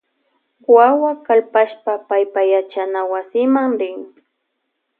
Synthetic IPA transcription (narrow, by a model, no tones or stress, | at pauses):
wawakalpaʃpapajpajat͡ʃanawasɪmaŋɾɪŋ